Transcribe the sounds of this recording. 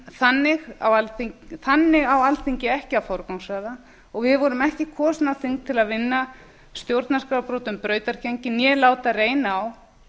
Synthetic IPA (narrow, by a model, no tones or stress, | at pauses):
θanːɪɣa̰walθiɲθanːɪɣawalθiɲcɪɛhcɪawfɔwɾkawŋsaɣða | ɔɣvɪðvɔɾʏmɛhcɪkʰɔːsnaθiŋk̚t̪ʰɪlaðvɪnːa | st̪jowɾt̪naskɾawpɾowt̪ʏmpɾœːɥt̪aɾ̥cʰɛɲcɪnjɛlaːwt̪areːjnaːw